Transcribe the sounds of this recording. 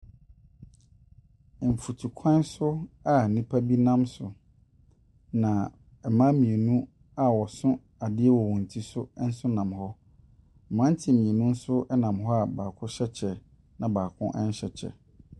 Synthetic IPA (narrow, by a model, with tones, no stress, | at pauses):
m̩˨fu˨tʰu˨kʷʰã˦n˦sʊ˦a˨nĩ˦pʰa˦bi˦nã˦msʊ˨ | nã˨ | ɛ˨mã˦mĩ˨e˨nũ˦ | a˨wɔ˨sʊ̃˦ | a˨dɪ˦ɛ˦wɔ˨wɔ̃˨n̩˨tʰi˦sʊ˦n̩˦sʊ˦nã˨mhɔ˦˨ | mã˦n˦tʰɪ˨mĩ˨e˨nũ˦n̩˦sʊ˦ɛ˦nã˨mɦɔ˦a˨baː˨kʰʊ̃˦ɕɛ˦t͡ɕʰɛ˨ | nã˨baː˨kʰʊ̰̃˦ʔɛ̃˦n˦ɕɛ˨t͡ɕʰɛ̰˨